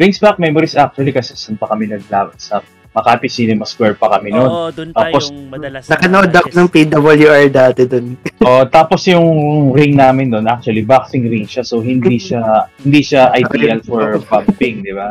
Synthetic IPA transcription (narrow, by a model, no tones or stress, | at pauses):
ɹɪŋsbak̚mɛmoɾisak̚t͡ʃʊɐlikɐsɛsɐnpɐkɐmɪnɐɡ̚laːbɐsɐ | mɐkapɪsiːnɛmɐskwɛɹpɐkɐmɪnont̪aːposnɐkɐnɐʔod̪ɐkonɐŋpid̪abɐljuʔaɹd̪aːt̪ɛd̪onʔoʔt̪aːposjʊŋɾɪŋnaːmɪnd̪onʔak̚t͡ʃʊɐlibak̚sɪŋɾɪŋʃɐsowɦɪnd̪iʃahɪnd̪iʃɐʔɐjd̪iɐlfɔɹpɐmpɪŋd̪ɪba